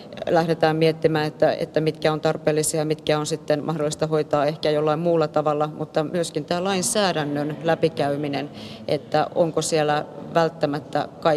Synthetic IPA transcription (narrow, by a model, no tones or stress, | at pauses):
læhɾet̪æːmmiet̪ːimæːet̪ːæḛt̪ːæmit̪kæont̪ɑrpeːlːisiɑjɑmit̪kæonsit̪ːenmʔɑhdolːˑist̪ɑhoit̪ɑːehkæjolːɑimmuːlːɑt̪ɑʋɑlːɑmut̪ːɑmyøskint̪æːlɑinsæːɾænːønlæpikæyminenʔḛt̪ːæʔo̰ŋkosielˑæʋælt̪ːæmæt̪ːæ̰kɑ